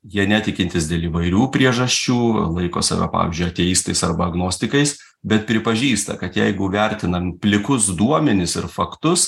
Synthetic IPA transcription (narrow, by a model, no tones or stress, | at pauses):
jiɛnʲæt̪ʲɪkʲɪnt̪ʲɪsd̪ʲeːlˠiʋɐɪɾʲuːpʲɾʲiɛʒɐsʲt͡ʃʲuːlˠɐɪko̰ːsɑ̰ʋʲɛ̰ːpɑ̰ːʋʲɪ̰zʲd͡ʒʲʊɪɐt̪ʲeːjiːst̪ɐɪsɐɾbɐɐɡnoːsʲt̪ʲɪkɐɪs | bʲɛt̪̚pʲɾʲɪpɐʒʲiːst̪ɐ̰kɐt̪jɛɪɡʊʋʲæɾʲt̪ʲɪnɐpʲlʲɪkʊsd̪uɔmʲɛnʲɪsɪɾfɐkt̪ʊs